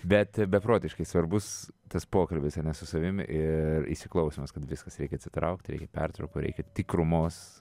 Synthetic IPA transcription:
bʲɛt̪bʲɛpɾoːt̪ʲɪʃkɐɪsʋɐɾbʊst̪ɐspoːkɐlʲbʲɪsɐnʲɛsʊsɐʋʲɪmʲɪ̰ʔɪrḭʃsʲɪklˠɐʊsʲomɐskɐt̪ʋʲɪskɐsɾʲɛɪkʲɛɐt̪sʲɪt̪ɾɐʊkt̪ʲɾʲɛɪkɛpʲɛ̰rt̪ɾɐʊkoːɾʲɛ̰ɪkʲɛt̪ʲikɾʊmoːs

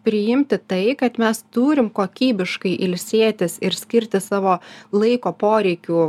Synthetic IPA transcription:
pʲɾʲɪjɪmʲt̪ʲɪt̪ɐɪkɐt̪mʲɛst̪uːɾʲɪmkoːkʲiːbʲɪʃkɐɪʔɪlʲsʲeːt̪ʲɪsɪɾsʲkʲɪɾʲt̪ʲɪsɑːʋoːlˠɐɪkoːpoːɾʲɛɪkʲuː

